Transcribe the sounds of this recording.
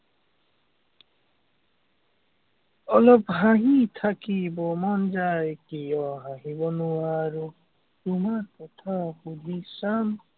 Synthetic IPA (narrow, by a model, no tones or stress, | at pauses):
ɔlɔbɦãɦĩt̪ʰakibɔmand͡ʒajkijɔɦãɦĩbɔnuwaɾu | t̪umaɾkɔt̪ʰahud̪ʱisam